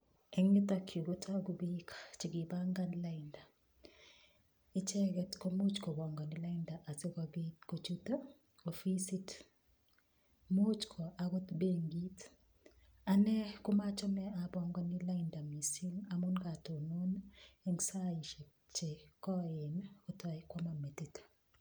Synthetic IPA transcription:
ɛ˦ŋni˦t̪akʰjo˨ɡo˦tʰa˦ɡu˨bi˦kʰḁt͡ʃi˨ɡi˨ba˦ŋɡa˦nla˦ɪ˨nda˨ | ɪ˦t͡ʃɛ˦ɡɛ˦tko˦mu˦t͡ʃkɔ˨bɔ˨ŋɡɔ˨nɪ˦la˦ɪnda˨ʔa˨se˦ka˨bitko˨t͡ʃu˦t̪o˦ | o˨fi˦si˦t | mo˦t͡ʃkʰɔ˨ʔa˨ɡo˦t̪be˦ŋɡi˦t | a˨nɛ˦kʊ˦ma˦t͡ʃɔ˦nɛa˨bɔŋɡɔnɪla˦ɪnda˨mi˨si˦la˨mu˦nka˨to˨no˦ne˦ŋɡsa˦ji˨ʃe˨ | t͡ʃe˨kɔ˦ɪ˨no˦tɔ˨ɪkwɔ˦ma˦me˨ti˦t

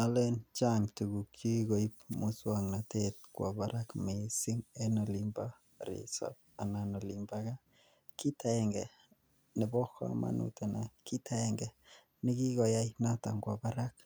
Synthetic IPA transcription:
na˦le˦nt͡ʃa˦ŋtu˨ɡu˨kt͡ʃo˦i˦ko˨i˦p̚mu˨swa˨ŋna˨te˦t̚kwa̰˨ba˨ɾʔakme˨si˦ŋe˦nɔ˨li˦mba˦ | ɾḭ˨sɔ̰p̚ | a˨na˨nɔ˨limba˦ka˦ | ki˦ta˨ɛ˨ŋɡɛ˨ | nɪ˨bɔ˦kːa̰˦a̰ma̰˨nṵ˨te˨na˨ki˦tʰa˦ɛ˨ŋɡɛ˨ | nɪ˦ki˦kɔ˨ja˦jna˦ta˨ŋɡwa˨ba˦ɾa˦k̚

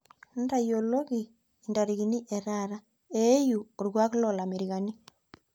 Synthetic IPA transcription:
nda˨jo˨lo˦ɣi˨ | inda˨ɾiɣi˨ni˦ʔeɾaɾa˦ | e˦ju˨o˨ɾɣwa˦ɣu˦lɔ˨la˨mi˨ɾiɣa˨ni˦

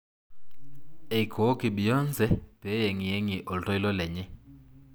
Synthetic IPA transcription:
e˨i˨kʰɔ˨o˦ki˨ɓi˨jɔ˦nd͡zʱɛ˦b̥ɛ˨˦je˨ŋi˨je˦ŋi˨ʔɔ˨ltʼɔ˦i˦lɔ˦lɛ˨ɲɛ˦

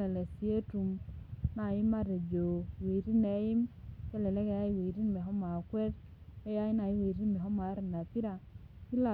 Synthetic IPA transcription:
ɛ˨lɛ˨si˨˦e˦tu˨mna˨jɪ˦ma˦ɾe˨d͡ʒo˨we˨ɾi˦ne˨˦ji˦mkɛ˦lɛ˨lɛ˦ke˦ja˦i˦we˨ɾi˦nmɛ˨ɦɔ˦ma˨kwɛ˦ɾ | ke˦ja˦ɪ˦na˨i˦we˨ɾi˦nmɛ˨ɦɔ˦ma˨˦ɾna˨pi˦ɾa˨ | ki˦la˨

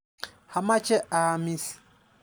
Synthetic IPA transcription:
ha˨ma˦t͡ʃɛ˦a˨a˨mi˦si̥˨

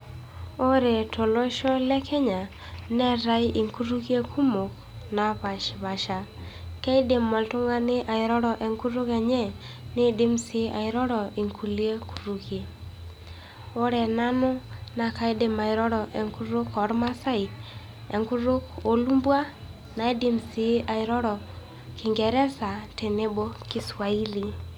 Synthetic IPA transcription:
o˦ɾɛ˨to˨lo˦ʃɔ˦lɛ˦kʰɛ˦ɲa˨ | nɛ˦ɾa˦jʔi˨ŋku˦ɾu˦kje˦kʰu˦mo˨k | na˨pa˨ʃβa˨ʃa˨kɛ˦ɪ˦de˨mːɔ˨ltʊ˦ŋa˦nɪ˦ʔa˨ɪ˨ɾɔ˦ɾɔ˨ʔɛ˨ŋku˦ɾo˦kɛ˨ɲɛ˦ | nɪ˦de˦msɪ˦a˨ɪ˨ɾɔ˦ɾɔ˨i˨ŋku˨li˦e˦kʰu̥˨ɾu˨kje˦ | o˦ɾɛ˨na˦nʊ˦na˨ka˦ɪ˦de˨ma˨ɪ˨ɾɔ˦ɾɔ˨ʔɛ˨ŋku˦ɾo˦kɔ˨˦ɾma˦sa˦i˨ | ɛ̰˨ŋku˦ɾo˦ko˨˦lu˦mbwa˦ | na˨e˦di˦msi˨˦ʔa˨ɪ˨ɾɔ˦ɾɔ˨ | kɪ˨ŋɡɛ˨ɾɛ˦sa˨te˨ne˦bo˦kɪ˦swa˨i˦li˨

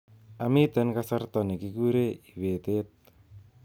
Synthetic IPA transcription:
a˨mɪ˦t̪ɛ˦nka˦sa˦rt̪ɔ˨ni˨ki˦ku˦ɾe˦i˨we˨t̪e˦t̪̚

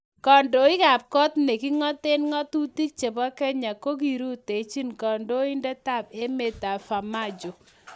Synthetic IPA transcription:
kɔ˨ndo˨ɪ˦ɡa˨p̚kɔ˦t̪ne˨ki˦ŋɔ˦t̪e˦nŋɔ˦tu˦ti˦k̚t͡ʃe˨bɔ˦kɛ˦ɲa˨ko˦ɡi˨ɾu˦t̪e˨t͡ʃi˦nkɔ˨ndo˦ɪ˦ndɛ˦ta˦˨pe˦me˦t̪a˨fa˨ma˦˨d͡ʒo˨

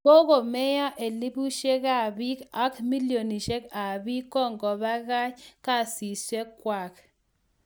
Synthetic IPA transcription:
o˦ɣo˨mɛ˦ja˦ʔe˨li˦bu˦ʃe˦ka˨bi˦ka˦kmi˦ljo˨ni˨ʃe˦ka˨bi˦kːɔ˦˨ŋɡɔ˨ba˦ɣa˦t͡ʃka˦˨si˨swe˦kːwa˨k

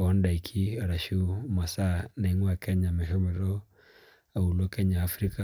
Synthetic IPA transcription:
ɔ˦nda˨i˨kʰi˦a˨ɾa˨ʃu˦ma˨sa˦na˨i˦ŋwa˨kɛ˦ɲa˨mɛ˨ɦɔ˦mɛ˨ɾɔ˦ | a˨u˨la˦kɛ˦ɲaː˨fɾi˦ka˨

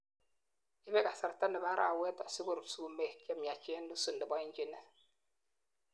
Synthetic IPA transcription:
i˦bɛ˦ka˨sa˨ɾta˦nə˨ba˦ɾʔa̰˨wɛ˦tɔ˨si˦bu˦˨ɾsu˦˨me˦˨kɛ˦mja˨t͡ʃe˦nːu˦su˦˨ndə˨ba˦i˦n˦d͡ʒi˦nə˦

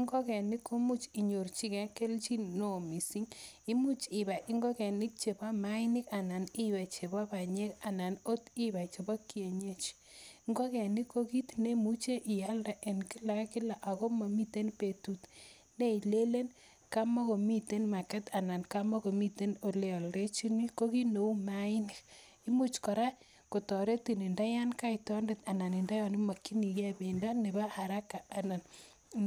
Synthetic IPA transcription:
i˦ŋɡɔ˦kɛ˨ni˦ko˦mu˦t͡ʃi˨ɲo˨rt͡ʃi˦kɛ˨˦ke˦lt͡ʃi˦no˨mi˨si˦ŋ | i˦mu˦t͡ʃi˨ba˨ʔi˦ŋɡɔ˦kɛ˨ni˦k̚t͡ʃe˨ba˦ma˨˦ɪ˦nɪ˦ka˨na˨ni˦wɛ˨t͡ʃe˨ba˦ba˨ɲe˦ka˨na˨no˦ti˦ba˨t͡ʃe˨bɔ˦kːi˦e˨ɲe˦t͡ʃ | ŋɡo˦kɛ˨ni˦ko˦ki˦tne˦mu˦t͡ʃe˦ʔɪ˨ja˦lda˨ʔɛ˨nkɪ˦la˨kɪ˦la˨ʔa˨ko˦ma˨mi˦te˦npe˨tu˦t | ne˦i˨le˦le˦n | ka˦mo˦ko˨mi˦te˦nma˨kɛ˦ta˨na˨nka˦mɔ˦ko˨mi˦te˦no˨le˦ɔ˨lɾe˦t͡ʃi˦nwi˦ko˦ki˦no˨u˦ma˦i˦ne˨k | i˦mu˦t͡ʃkɔ˨ɾa˦ | ko˨tɔ˨ɾe˦ti˨ni˨nda˦ja˦nka˦i˨tɔ˦nde˨ta˨na˨ni˨nda˦jɔ˨ni˦ma˨kːi˦ni˨ke˦˨be˨nda˦ne˨ba˦ha˨ɾa˦kːa˨a˨na˨n

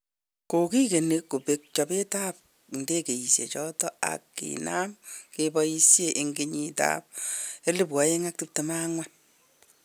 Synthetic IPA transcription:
ko˨ki˦ke˨ne˦kːu˨pe˨k̚t͡ʃɔ˨pe˦ta˦p̚ | nde˦ke˨ji˨sjḛ˨t͡ʃɔ˦tɔ˦a̰˨kːḭna˦mkebɔ˦ji˦sje˦ʔe˨ŋɡe˦ɲita̰p̚e˦li˦p̬wɔ˨je˦ŋa˦k̚tu˦p̚te˨ma˦ŋwa˦n

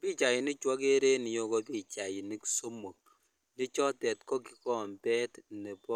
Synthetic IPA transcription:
piː˦t͡ʃa˨ji˨ni˦t͡ʃwɔ˦k̬e˦ɾe˦ni˨jo˦ko˦pi˦˨t͡ʃa˨ji˨ni˦kso˦mo˨k̚ | ne˦t͡ʃɔ˦tɛ˨tkɔ˦ki˦kɔ˦˨mbɛ˦tne˨pɔ˦

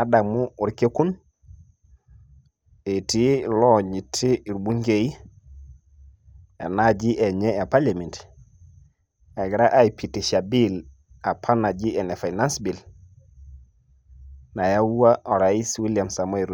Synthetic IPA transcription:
a˦da˨ŋmu˦u˨ɾke˦ku˦n | e˨ti˦lɔ˦ɲi˨tʰi˦i˨ɾbu˦ŋɡe˨i˦ | ḛ˨na˦d͡ʒi˦ʔɛ˨ɲɛ˦a˨pa˦la˨mi˨nt | a˨ɡɪ˨ɾa˦ʔa˦i˨pi˨ti˨ʃa˨bi˦l | a˨pʰa˦na˨d͡ʒi˦ɛ˨nɛ˨fa˨i˨na˦nsbi˨l | na˨ja˦u˦wa˦ʔɔ˨ɾa˨i˦swi˦lja˨msa˨mo˦i˨ɾ

